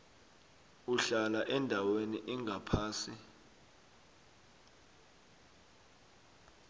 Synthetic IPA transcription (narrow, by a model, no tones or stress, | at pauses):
uɬalaʔɛndʱaweniʔiŋɡʱapʰaːsi